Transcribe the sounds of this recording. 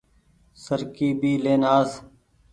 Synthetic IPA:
səɾkiːbʱiːleːnaːs

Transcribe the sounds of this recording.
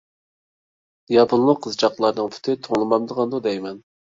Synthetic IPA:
jɑpʊnlˠʊqʰːəzt͡ʃʰɑqlˠɑɾnɨŋpʰy̥t̪ʰɪt̪ʰoŋlˠɨmɑmd̪əʁɑnd̪ud̪ɛjmɛn

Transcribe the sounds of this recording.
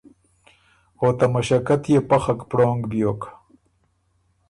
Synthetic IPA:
ot̪amɐʃɐkɐt̪jepɐxɐkpɽoːŋɡbjoːk

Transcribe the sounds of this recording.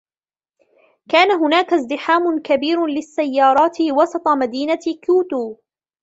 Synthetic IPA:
kaːnaɦʊnaːkazd̪ɪħaːmʊkabiːɾʊlɪsːajːɑːɾˤɑːt̪ɪwɑsˤɑt̪ˤɑmad̪iːnakuːt̪uː

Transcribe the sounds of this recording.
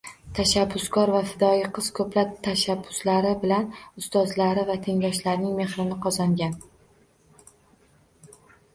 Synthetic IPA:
t̪ʰaʃabːʊskʰɒɾvafɪd̪ɒjɪqʰɨz̥kʰɵplap̚t̪ʰaʃabːʊslaɾɪbɪlanʊst̪ɒzlaɾɪvat̪ʰe̞ŋlʲɒʃlaɾnɪŋme̞hɾɪnɪqʰɒzaŋɡʲan

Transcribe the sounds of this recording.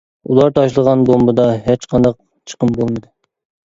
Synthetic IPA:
ulˠɑɾt̪ʰɑʃlˠəʁɑnbombɨd̪ɑɦet͡ʃqʰɑnd̪ɑq̚ | t͡ʃʰə̥qəmbolˠmɨd̪ɨ

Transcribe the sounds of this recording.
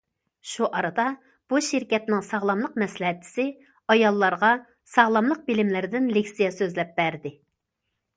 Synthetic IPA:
ʃuʔɑɾɑd̪ɑ | b̥uʃɪɾkʲɛt̪nɪŋsɑʁlˠɑmlˠəq̚mɛslɛɦɛt̪̚ːʰɪ̥sɪ | ɑjɑlˠːɑɾʁɑ | sɑʁlˠɑmlˠəq̚bɪlɪmlɪɾɪd̪ɪnlekʲsijɛsøzlɛp̚bæɾd̪ɪ

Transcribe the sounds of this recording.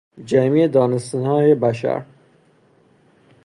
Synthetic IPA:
d͡ʒæmiːed̪ɒːnest̪ænhɒːjebæʃæ̰ɾ

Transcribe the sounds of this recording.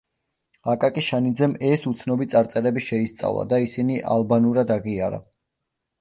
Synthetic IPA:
akʼakʼiʃanid̪zɛmɛsut̪sʰnɔbit̪sʼaɾt̪sʼɛɾɛbiʃɛist̪sʼa̰vlˠa̰d̪aisiniʔalˠbanuɾad̪aʁiaɾa̰

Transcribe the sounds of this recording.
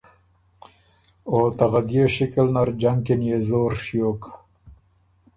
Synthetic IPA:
ot̪aɣad̪jeʃɪkalnaɾd͡ʒaŋkinjezoːɾʃjok

